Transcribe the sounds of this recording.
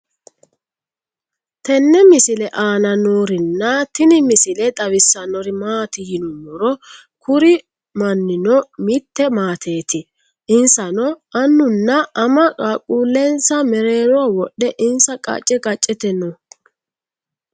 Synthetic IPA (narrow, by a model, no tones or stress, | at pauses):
t̪ɛnːɛmɪsɪlɛʔaːnɐnoːɾɪnːɐt̪ɪnɪmɪsɪlɛt̪ʼɐwɪsːɐnɔɾɪmaːt̪ɪjɪnɔmɔɾɔ | kʰʊɾɪ | mɐnːɪnɔmɪt̪ːɛmaːt̪ʰeːt̪ɪ | ɪnsɐnɔɐnːʊnːɐɐmɐkʼakʼuːlːɛnsɐmɛɾe̞ːɾɔwɔɗːɛʔɪnsɐkʼɐ̰t͡ʃʼːɛkʼɐt͡ʃʼːɛt̪ɛnɔ